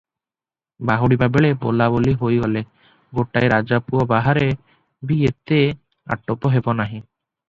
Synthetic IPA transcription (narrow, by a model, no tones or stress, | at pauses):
baɦuɽibabeɭebo̰laboliɦojɡɔle | ɡoʈajɾad͡ʒapuɔbaɦaɾe | biet̪e | a̰ʈːopɔɦebɔnaɦĩ